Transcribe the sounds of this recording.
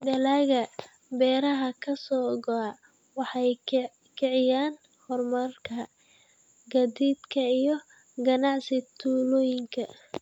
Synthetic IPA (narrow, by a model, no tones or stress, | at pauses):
ɖɐlaːɣɐ | bɛːɾɐɦɐkʰɐsɔːɡɔa | wɑħɑj | kʰɛʕɪjaːn | hɔrmɐrkʰɐ | ɡɐðiːd̪kʰɐijɞ | ɡɐnɑʕsɪt̪ʰuːlɔːjɪŋkʰɐ